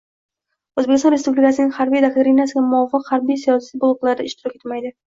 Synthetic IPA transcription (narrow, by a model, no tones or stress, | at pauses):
oɵzbekʲɪst̪ɔ̃nɾespublɪkasɪnɪŋʲhaɾbijd̪ak̚t̪ʰoɾinasɪɡʲamʊɒfːɨqhaɾbijsijɒsijbolˠɨqlˠaɾɪd̪aɪʃt̪ɪɾɒkʲet̪ɪmajd̪ɪ